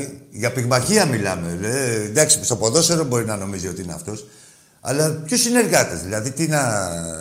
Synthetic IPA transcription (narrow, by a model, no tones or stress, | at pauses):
iʝɐpiɣmɐçiɐmilɐmend̪ɐksi̥st̪opo̞ðo̞seɾombo̞ɾinɐno̞mizio̞t̪iineɐ̰ft̪o̞s | ɐ̰lɐpço̞sineɾɣɐt̪ezðilɐðit̪inɐ